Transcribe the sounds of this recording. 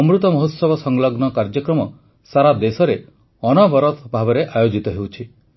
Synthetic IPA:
ɔmɾut̪ɔmɔɦut̪sɔbɔsɔŋlɔɡnɔkaɾd͡ʒɔkɾɔmɔ | saɾad̪esɔɾe | ɔnɔbɔɾɔt̪ʰbʱabɔɾeʔajod͡ʒit̪ɔɦewt͡ʃʰi

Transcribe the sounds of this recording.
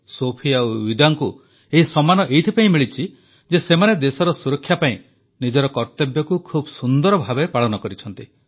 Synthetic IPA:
sopʰiauwid̪aŋku | eɦisɔmanɔʔejt̪ʰipaĩmiɭit͡ʃʰi | d͡ʒesemaned̪esɔɾɔsuɾɔkʰːjapaĩ | nid͡ʒɔɾɔkɔɾt̪ebjɔkukʰubɔsund̪ɔɾɔbʱabepaɭɔnɔkɔɾit͡ʃʰɔnt̪i

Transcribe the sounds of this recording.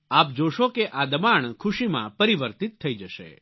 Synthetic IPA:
ap̚d͡ʒoʃokeʔad̪əmaɳkʰuʃimã̰pəɾiʋəɾt̪it̪ʰːəid͡ʒəʃḛ

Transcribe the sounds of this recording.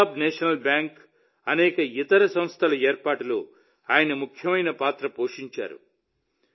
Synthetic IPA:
bneːʂɐnɐlbjaːŋk | ɐnɛːkɐit̪ɐɾɐsɐmst̪ʰɐlɐeːɾpaːʈulṵː | aːjɐnɐmukʰjɐmɐjnɐpaːt̪ɾɐpoːʂiɲt͡ʃa̰ːɾṵ

